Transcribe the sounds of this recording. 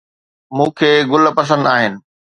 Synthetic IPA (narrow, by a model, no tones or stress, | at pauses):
mũːkʰeːɡʊlpɐs̬ə̃nd̪aːɦɪnɪ̆